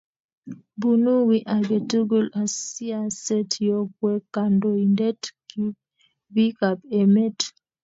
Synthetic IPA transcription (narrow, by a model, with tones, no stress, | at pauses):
bu˨nu˦wi˦ʔa˨ɡe˨tu˦ɡu˦la˨si˦a˦sɛ˦tjo˦kwɛ˦ka˨ndo˨i˨nde˦tki | bi˦ka˨pɛ˨me˦t